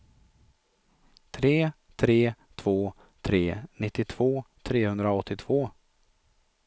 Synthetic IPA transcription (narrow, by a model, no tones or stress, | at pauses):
t̪ʰɾeː | t̪ʰɾeːt̪ʰv̥oː | t̪ʰɾeːnɪt̪ːɪt̪ʰv̥oːt̪ʰɾeːhɵnd̪ɾaɔt̪ːɪt̪ʰv̥oː